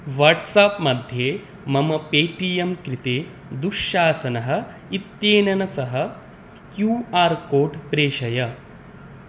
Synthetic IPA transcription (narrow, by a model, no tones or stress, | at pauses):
ʋɐɾʈsaːpmɐd̪ʱjeː | mɐmɐpeːʈijɐmkɾit̪eː | d̪uʂːaːsɐnɐɦɐ̆ | it̪jeːnɐnɐsɐɦɐ | kjuːaːɾkoːɖpɾeːʃɐjɐ